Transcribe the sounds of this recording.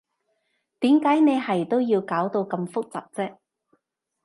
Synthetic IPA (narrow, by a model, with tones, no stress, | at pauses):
t̪iː˨˥mkaː˨˥jne˨˧jɦɐ˨˩jt̪o˥wjiː˧wkaː˨˥wt̪o˧wkɐ˧mfʊ˥k̚t͡sa̰ː˨p̚t͡sɛː˥